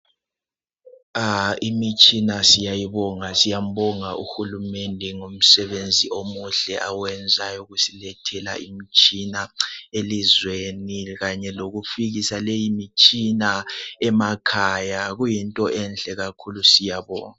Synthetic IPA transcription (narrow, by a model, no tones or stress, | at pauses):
aimit͡ʃʼinasijajiβɔŋasijam̩bɔŋaʔuxulumɛndʱɛŋom̩sɛβend͡zʱiʔomuɬɛʔawɛnd͡zʱajuɣusilɛtʰɛla̰ʔimit͡ʃʼinaelizweniɣaɲɛloɣufiɣisalejimit͡ʃʼinaɛmakʰajaɣujintʼɔɛnɬɛɣakʰulusijaβɔ̰ːŋa